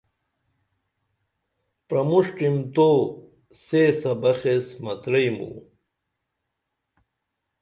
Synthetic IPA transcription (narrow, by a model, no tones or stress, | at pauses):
pɾɐmuʂʈimt̪o | sesɐbɐxesmɐt̪ɾɐjmṵ